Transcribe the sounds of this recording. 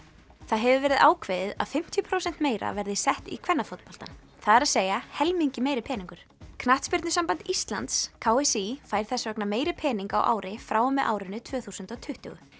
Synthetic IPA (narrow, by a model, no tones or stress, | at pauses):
θaðɦɛvʏvɛːɾɪða̰ːwkʰveːðɪða̰ðfɪm̥t̪ʰjʏpʰɾoːwsɛnt̪meːjɾa̰vɛɾðɪsɛht̪ḭkʰvɛnːafot̪̚pɔlt̪a̰n | θaðɛɾaðseːjahɛlmiɲcɪmeːjɾɪpʰɛːniŋkʏɾ̥ | kʰnaht̪spɪɾt̪nʏsampant̪ist̪la̰nt̪skʰawɛsifaːjɾ̥θɛsːavœknameːjɾɪpʰɛːniŋka̰wʔa̰ːwɾɪfɾaːwɔmɛʔa̰ːwɾɪnːʏt̪ʰvœːθusʏnt̪ɔt̪ʰʏht̪ʏ̰ɣʏ̰